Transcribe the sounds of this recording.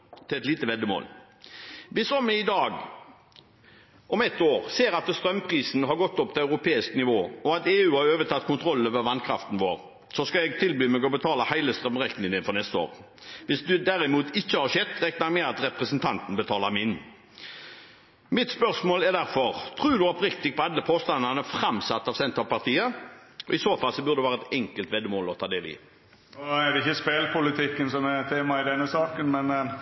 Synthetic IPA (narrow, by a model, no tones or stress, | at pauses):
t̪ʰɪlɛt̪liːt̪əʋɛd̪əmo̰ːl | ʋɪsɔmːɛɪd̪ɑːɡ | ɔmɛt̪ːoːɾseːɾɑt̪st̪ɾœmpʰʁiːsnəɦɑɾɡɔt̪ːɔp̚t̪ʰɪlɑʉɾʊpʰeːɪsknɪʋoːɔɑt̪eːʉːɑɾøːʋət̪ʰɑt̪ːkʰʊnt̪ʰɾɔlːøːʋəʋɑnkʰɾɑ̰ft̪n̩ʋoːɾ | sɔskɑɛɡ̚t̪ʰɪlbyːmɛɡɔbət̪ʰɑːləhæɪləst̪ʁœmʁɛk̪nɪnəfɔnɛst̪əo̰ːɾ | ʋɪsd̪ʉd̪æɾɪmuːt̪ɪçːəhɑɾɕɛd̪ʁɛknɑɾmɛɑt̪ɾɛpɾɛsənt̪ʰɑnt̪n̩bət̪ʰɑːləɾmɪn | mɪt̪spœʁsmoːlæd̪æɾfɔʁt̪ʰʁʉːd̪ʉɔpɾɪkt̪ɪɡ̚pʰɔɑlːəpʰoːst̪ɑnənəfɾɑmsɑt̪ːɑʋsɛnt̪ɑpɑʁt̪ʰiːəɔɪsoːfɑlsɔbʉʁd̪əɛʋæːɾəɛt̪ɛŋkəlt̪ʋɛd̪ːəmoːlɔt̪ʰɑːd̪eːlɪ̰ | oæd̪ɛɪçːəspeːlpʰʊlɪt̪ʰɪkːənsɔmɛt̪ʰeːmɑɪd̪ɛnːəsɑːkənmɛn